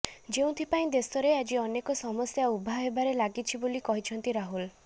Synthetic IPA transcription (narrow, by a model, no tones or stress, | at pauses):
d͡ʒeũt̪ʰipaĩd̪esɔɾead͡ʒiɔnekɔsɔmɔsjaubʱaɦebaɾelaɡit͡ʃʰibolikɔɦit͡ʃʰɔnt̪iɾaɦul